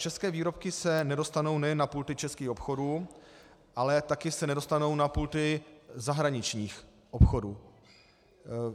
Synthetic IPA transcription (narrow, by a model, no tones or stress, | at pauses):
t͡ʃɛskɛːviːɾo̞p̚kɪsɛnɛdo̞st̪ano̞wnɛjɛnːapuːlt̪ɪt͡ʃɛskiːxo̞pxo̞duː | ʔalɛt̪akɪsɛnɛdo̞st̪ano̞wnapuːlt̪ɪzaɦɾaɲɪt͡ʃɲiːx | ʔopxo̞duː